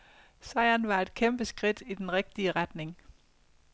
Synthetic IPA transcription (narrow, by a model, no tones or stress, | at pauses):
sɑ̈ɪænʋɑ̈e̝d̥kʰemb̥əsɡ̥ʁid̥id̥enʁeɡ̥̚d̥iəʁad̥ne̝ŋ